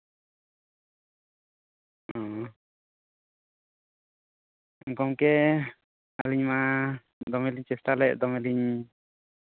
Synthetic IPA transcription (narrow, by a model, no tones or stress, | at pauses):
ɔ̃ | kɔmkɛ | aliɲma | d̪ɔmɛliɲt͡ʃɛsʈalɛʔd̪ɔmɛliɲ